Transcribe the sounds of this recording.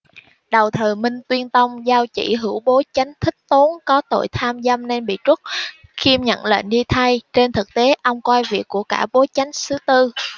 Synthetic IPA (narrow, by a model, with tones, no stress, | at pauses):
ɗə˨˩wt̪ʰɨː˨˩mï˧ŋ̟t̪wi˧ənt̪ə˧wŋ͡mzaː˧wt͡ɕḭ˧˩ɦɨ˧˩əwɓo˨˦t͡ɕa˨˦jŋ̟t̪ʰï˦˥k̚t̪o˨˦nkɔ˨˦t̪o̰˧˨jt̪ʰaː˧mza˧mne˧nɓḭ˧˨t͡ɕʊ˦˥t̚xi˧əmɲə̰˧˨nlḛː˧˨nɗi˧t̪ʰa˧jt͡ɕe˧nt̪ʰɨ˨˩k̚t̪e˨˦ʔə˧wŋ͡mkwaː˧jvi˨˩əkːu˧˩əkaː˧˩ɓo˨˦t͡ɕa˨˦jŋ̟sɨ˨˦t̪ɨ˧